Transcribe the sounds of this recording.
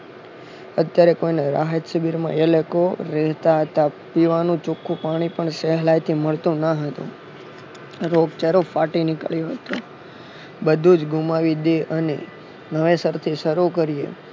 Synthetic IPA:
ət̪jaɾekoineɾa̰ɦət̪səbiɾmã̰elekoɾɛɦt̪aɦət̪apiʋanũt͡ʃukʰːũpaɽ̃ipəɳseɦlajt̪ʰiməɭt̪ũnaɦət̪ṵ̃ | ɾoɡt͡ʃəɾofaʈinɪkə̰ɭjoɦət̪o | bəd̪ʱud͡ʒɡumaʋid̪eʔənḛ | nəʋesəɾt̪ʰiʃəɾukəɾijḛ

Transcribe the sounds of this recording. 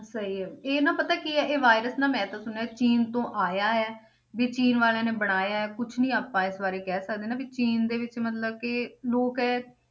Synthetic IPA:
səɦiːɛːeːnãːpət̪aːkiːɛːʔeːʋaːɪɾəsnãːmɛ̃ːt̪ãːsʊnat͡ʃiːnt̪õːʔaːjaːɦɛː | biːt͡ʃiːnʋaːlãːneːbəɽ̃aːjaːɦɛːkʊt͡ʃʰnĩːaːpãːɪsbaːɾeːkɛːsəkd̪eːnãːbiːt͡ʃiːnd̪eːʋɪt͡ʃmət̪ləb̚kɪloːkɦɛː

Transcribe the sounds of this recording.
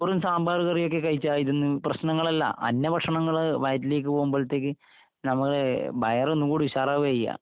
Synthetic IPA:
rumsaːmbʱaːruɣɐrijo̞k̬ːe̞kɐjit͡ɕːaːiðenːɨprɐɕnɐŋːɐɭɐlːɐ̰ʔɐ̰nːɐbʱɐʈʂɐɳɐŋːɐɭʋɐjɐtileːk̬ːɨpoːɣumboːɭɐt̪ːeːk̬ːɨ | nɐmːɐɭebɐjɐronːukuːɽiʋiɕaːrɐʋɐjːa̰

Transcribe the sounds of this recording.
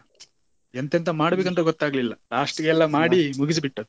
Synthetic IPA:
ent̪ent̪ɐmaːɽɐbeːkɐnt̪ːɐɡɔt̪ːaːɡɐlilːɐɾaːʂʈɾɐɡeɛlːɐmaːɽimuɡis̬ibiʈːɐu

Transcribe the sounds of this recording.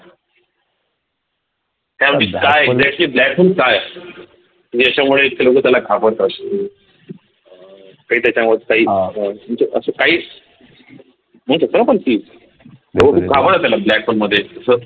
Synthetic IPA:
t̪jamikajeɡzɛk̚ʈliːblækfulkaj | t̪ud͡ʑiːəɕamuɭeiʈ̪kʰelokət̪jalakʰapəɾk̪ə | kaɦiːt̪jat͡ɕamət̪kaɦiːũt͡səʔəsəkaɦiː | m̤ə̃ɳ̃ũsəsəɾə̃pəɳt̪iː | eəkʰuːp̚kʰapəɽat̪jalablæk̚folməd̪ʱːjeəsə

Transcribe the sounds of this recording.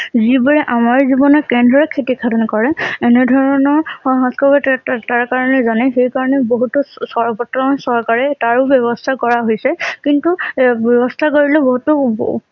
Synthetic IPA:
zibɔɹɛʔamaɹzibɔnɔkɛndʱɔɹɛkʰetikʰatɔnkɔɹɛɛnɛdʱɔɹɔnɔɹɔɦãskɔbɔtaɹkaɹɔnɛzanɛxejkaɹɔnɛboɦutɔsɔɹbɔtɹɔnsɔɹkaɹɛtaɹʊbjɔbɔst̪ʰakɔɹaɦojsɛkintubɔbɔst̪ʰakoɹilɛboɦutɔ

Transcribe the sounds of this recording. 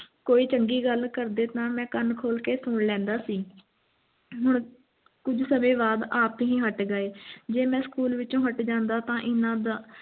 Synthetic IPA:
koːiːt͡ʃəŋɡiːɡəlkəɾd̪eːt̪ãːmɛ̃ːkənkʰoːlkeːsʊːɽlɛ̃ːnd̪aːsiː | ɦʊɳ | kʊd͡ʒsəmẽːbaːd̪aːpɦĩːɦəʈɡəeːd͡ʒeːmɛ̃ːskuːlʋɪt͡ʃõːɦəʈd͡ʒãːnd̪aːt̪ãːʔɪnãːd̪aː

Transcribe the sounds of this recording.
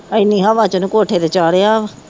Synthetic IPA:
ɪnːĩːɦaːʋãːt͡ʃənũːkoːʈʰeːd̪eːt͡ʃaːɽeːaːʋ

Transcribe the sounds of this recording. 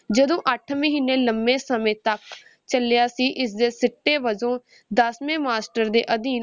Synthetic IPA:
d͡ʒəd̪õːʔəʈʰməɦiːnːeːləmbẽːsəmẽːt̪ək | t͡ʃəlɪjaːsiːʔɪsd̪eːsɪʈːeːʋəd͡ʒõː | d̪əsmẽːmaːsʈəɾd̪ḛːʔəd̪iːn

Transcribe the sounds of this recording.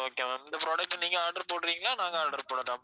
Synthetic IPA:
oːkeːnd̪ɐpɾoːɖɐk̚ʈːniːŋɡɐaːɾɖɐɾpoːɽɾiːŋɡɐlaːnaːŋɡɐaːɾɖɐɾpoːɽɐðãː

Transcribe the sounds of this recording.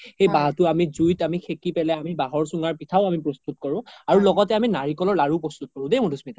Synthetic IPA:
xejbaɦtʊamizujtamixʰekipɛlɛamibaɦɔɹsuŋaɹpitʰaʊamipɹɔst̪ut̚kɔɹʊ̃aɹulɔɡɔtɛaminaɹikɔlɔɹlaɹupɹɔst̪ut̚kɔɹʊ̃demudʱusmita

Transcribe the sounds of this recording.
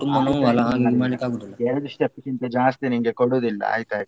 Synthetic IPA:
ʈumbɐnuɐlɐɦaniɾmaːnikaːɡud̪ilːɐeɾɐd̪usʈɐpːisint̪ɐd͡ʒaːst̪iniŋɡekoɽuːd̪ilːɐ̰a̰ːjt̪aːj

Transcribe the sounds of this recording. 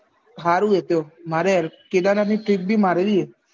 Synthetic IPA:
ɦaɾuet̪omaɾeked̪ananiʈɾik̚bʱimaɾeʋie

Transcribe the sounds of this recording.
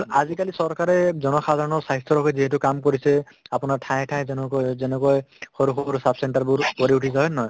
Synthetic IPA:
azikalisɔɹkaɹɛzɔnɔxad̪ʱaɹɔnɔɹsaɦist̪ʰɔɾɔkʰɔjziɦetukamkoɹisɛ | apʊnaɹʈʰãjtʰãj̃zzɛnɛkɔjxoɾuxoɾusapsɛɳʈaɹbuɹpoɾiuʈʰisaɦɔjnɔj

